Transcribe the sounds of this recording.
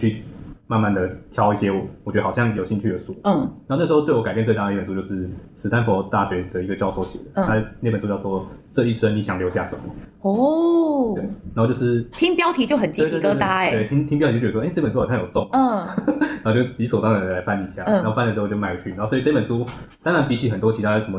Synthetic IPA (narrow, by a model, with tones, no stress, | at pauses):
t͡ɕʰy˥˩ma˥˧nma˥˩nd̪ə˩t̪ʰjɑ˥ʊi˥˩ɕjɛ˥wɔ˨˩wɔ˨˩t͡ɕɥdə˧˨ɑ˨˩ɕjɑ˥˩ŋjo˨˩ʊɕi˥˧ŋt͡ɕʰy˥˩d̪ə˩ʂu˦˥˩n˨˧˥o˧nə˥˩ʂ̩˧xo˥˧t̪we˥˩ɔ˧˥ka˨˩pjt͡se˥˧t̪a˥˩d̪ə˧˥˩ə˩su˥˧t͡ɕo˥˧ʊʂɻ̩˥˩ʂɻ̩ʰ˧˥a˥nfo˧˥t̪a˥˩ɕɥɛ˧˥d̪ə˩i˧˥ɡə˨˩t͡ɕjɑ˥ʊsʰo˧˩ʊɕjɛ̰˨˩d̪ə˦˥˩a˥ne˥˩ə˩nsu˥jʂwɔ˦ʈ͡ʂɤ˥˧i˥˩ʂə˥ŋni˧˥ɕjɑ˨˩ŋljo˧ʊɕja̰˥˩ʂə˨˦mːə˦˩ɔ˥ | we˥˩ɪna˨˧˥ho˥˧t͡ɕo˥˧ʊʂɻ̩˥˩t̪ʰi˥ŋpjɑ˥ʊt̪ʰi˧˥t͡ɕjo˥˩ʊxə˨˩nt͡ɕi˥˧t̪ʰi˧˥kɤ˥t̪a˥˨˦we˥˩ɪt̪ʰi˥ŋt̪ʰi˥ŋp̬ɑ˥˧˥pə˨˩nsu˥˨˩ɕjo˨˩t͡so˥˧˨na˨˧˥t͡ɕjʊt̪i˧˥swo˨˩ʊɑ˥˩ŋd̪ə˩la˧˥ɪfa˥˧ni˧˩ɕja˥˩˨n˥˧˩fnd̪ʂ̩˧˥˧t͡ɕjma˥˩ɪ˧˩t͡ɕʰy˥˩na˨˦˥o˥˧si˧ʈ͡ʂpə˨˩nsu˥t̪a˥ŋɻa˧˦npi˧˥t͡ɕʰi˧˥˩xə˨˩nt̪wɔ˥t͡ɕʰi˧t̪ʰa˥˩ʂə˧˥mə˦